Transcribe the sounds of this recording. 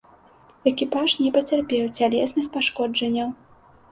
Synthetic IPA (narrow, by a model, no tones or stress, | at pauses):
ɛkʲipaʂnʲɛpɐt͡sʲarpʲɛwt͡sʲalʲɛsnɨxpaʂkɔd͡ʐɐnʲːɐw